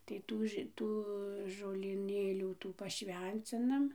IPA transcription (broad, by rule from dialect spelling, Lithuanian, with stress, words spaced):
tɐɪ ˈtuː ʒʲɪ ˈtuː ʒoːlʲiːˈnʲeːlʲuː ˈtuː pɐˈʃʲʋʲɛnʲt͡sʲɪnɐm